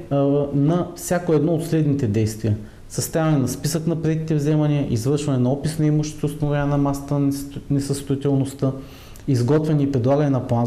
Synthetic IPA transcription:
nɐfsʲjakoɛd̪nɔot̪slɛd̪nit̪ɛd̪ɛjst̪viə | sɐst̪avɐnɛnɐspisəknɐpɾɛt̪ʲit̪ɛvzɛmɐniəʔizvɤɾʃvɐnɛnɐɔpisnɐimuʃni̥t̪ɛʊst̪ɐnʊvʲanʲənɐmasə̥t̪ənɛsəst̪ʊit̪ɛlˠnost̪ə | izɡɔt̪vɛnʲiipɾɛd̪lˠaɡɐnɛnɐplˠan

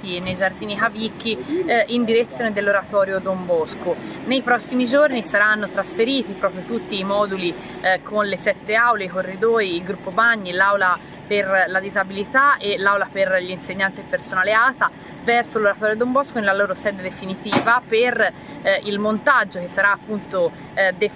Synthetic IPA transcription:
t̪inːejd͡ʒard̪iːnikavikːiind̪iɾet̪sːjoːned̪elːoɾat̪ɔːɾjod̪ombɔsko | nejpɾɔsːimid͡ʒornisaɾanːot̪ɾasfeɾiːt̪ipɾɔːpɾjot̪ut̪ːiːmɔːd̪uli | kʰonlesɛt̪ːeawleikorːid̪ɔːjiːlɡɾupːobaɲːilawla | perlad̪izabilit̪aʔelːawlaperʎinseɲːant̪ipeɾsonaleaːt̪a | vɛɾsoloɾat̪ɔːɾjod̪ombɔskonelaloːɾosɛːd̪ed̪efinit̪iːvaper | ilmont̪ad͡ʒːok̟esːaɾaːpːunt̪o | d̪e

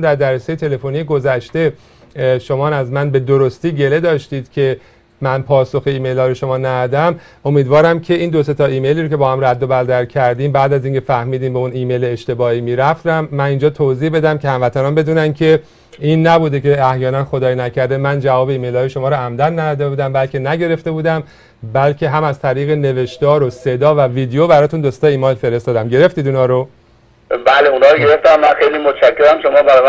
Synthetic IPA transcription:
nd̪æɾd̪æɾesejet̪ʰe̞le̞fonijeɡo̞zæʃt̪e̞ | ʃo̞mɒːnæzmænbe̞d̪oɾost̪iːɟe̞le̞d̪ɒːʃt̪iːd̪̥cʰe̞ | mænpʰɒːso̞xeiːme̞jlɒːɾeʃo̞mɒːnæd̪æd̪æm | o̞miːd̪vɒːɾæmcʰe̞iːnd̪o̞se̞t̪ʰɒːʔiːme̞jliːɾocʰʲe̞bɒːhæmræd̪ːobæld̪æɾcʰæɾd̪iːmbæːd̪æziːŋcʰe̞fæhmiːd̪iːmbeuniːme̞jleːʃt̪e̞bɒːiːmiːɾæft̪æmːænind͡ʒɒːt̪ʰoziːhbe̞d̪æmcʰe̞hæmvæt̪ʰænɒːnbe̞d̪uːnæncʰe̞ | inːæbuːd̪ece̞æhjɒːnænxod̪ɒːjinæcʰæɾd̪emænd͡ʒævɒːbe̞iːme̞jlhɒːjeʃo̞mɒːɾoæmd̪ænnæd̪æd̪e̞buːd̪æmbælcʰe̞næɟe̞ɾe̞ft̪e̞buːd̪æm | bælcʰe̞ɦæmæzt̪ʰæɾiːɣe̞ne̞ve̞ʃt̪ɒːɾose̞d̪ɒːvæviːd̪ejobæɾɒːt̪ʰund̪ost̪ɒːiːmɒːjlfe̞ɾe̞st̪ɒːd̪æmɟe̞ɾe̞ft̪iːd̪inhɒːɾo | bæːleunhɒːɾoɡe̞ɾeft̪æmːænxejliːmot̪ʰʃækʰːeɾæmʃomɒːbæɾɒm

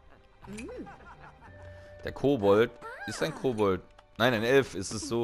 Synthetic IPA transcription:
d̥eːɐkʰoːbɔltʔɪstaɪnkʰoːbɔltnaɪnaɪnɛlfɪstɛsz̥oː

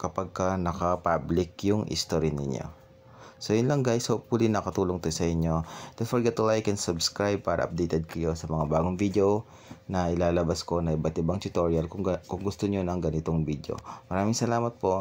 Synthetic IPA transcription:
kɐpaɡ̚kɐnɐkɐpablɪkjʊŋʔɪ̰st̪oɾinɪ̰ɲːo̰ | sojʊnlɐŋɡajshop̚ulinːɐkɐt̪uːloŋt̪ojsɐʔɪɲːo̞d̪̥ɛnfoɹɡɛt̪ʊlajkɛnsɐbskɹajb̚paːɾɐ̰ʔɐ̰p̚d̪ejt̪ɛd̪̚kɐjo̞sɐmɐŋabaːɡoŋvid̪eo | nɐʔɪlaːlɐbasko̞nɐʔɪbɐt̪ɪbaŋt̪ʊt̪oɹjɐlkʊkʊŋɡʊst̪oɲonɐŋɡɐnɪt̪oŋbid̪o̰mɐɾaːmɪŋsɐlaːmɐt̪̚po̞ʔ

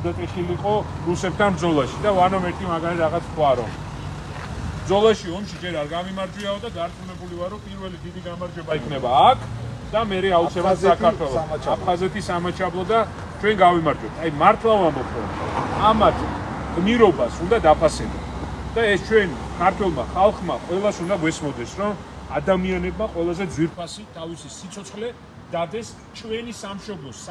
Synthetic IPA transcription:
d̪at̪ʼɛχiliqʼɔɾusɛp̚t̪ʰanbɾd̪zɔlˠaʃid̪avanɔmɛɾt̪ʼimaɡalɛɾaʁat̪sʰwaɾɔ̰m | md̪zɔlˠaʃiɔmʃid͡ʒɛɾaɾɡavimaɾd͡ʒwiaɔd̪ad̪aɾt̪ʼulɛbulivaɾɔmpʼiɾvɛlid̪id̪iɡamaɾd͡ʒɛbaikʰnɛbaːkʰ | d̪̥amɛɾɛautsʰɛbɛt̪sakʰaɾt̪ʰwɛlˠɔapʰχazɛt̪ʰisamat͡ʃʰablˠɔd̪a | t͡ʃʰwɛnɡavimaɾd͡ʒɔp̚t̪ʰajmaɾt̪ʰlˠavambɔpʰɾɔ̰mamat̪ʰ | ɡ̥niɾɔbasund̪ad̪apʰasɛlɛ̰d̪aɛst͡ʃʰwɛnkʰaɾt̪ʰwɛlˠmaχalˠχmaqʼwɛlˠasund̪aɡwɛsmɔd̪ɛsɾɔmad̪amianɛbmaqʼwɛlˠazɛd̪zwiɾpʰasit̪ʰavisisit̪sʰɔt̪sʰχlɛ | d̪̥ad̪ɛs | t͡ʃʰwɛnisamʃɔblˠɔs

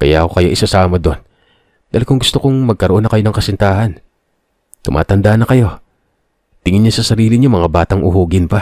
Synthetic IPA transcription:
kɐjaːko̞kɐjoʔɪsɐsaːmɐd̪o̞n | d̪aːlkʊŋɡʊst̪okoŋmɐɡ̚kɐɾoʔo̞nɐkɐjo̞nɐŋkɐsɪnt̪aːhɐn | t̪ʊmʔa̰ːt̪ɐnd̪ahnɐkɐjo̞ | t̪ɪŋɪɲɲasɐsɐɾiːlɪɲʊmɐŋabaːt̪ɐŋʔʊhuːɡɪnpa

